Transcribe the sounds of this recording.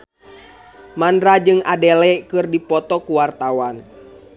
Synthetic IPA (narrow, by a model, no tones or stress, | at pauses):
mandɾad͡ʒɨŋa̰dɛlɛkɨrdipɔt̪ɔkuwart̪awan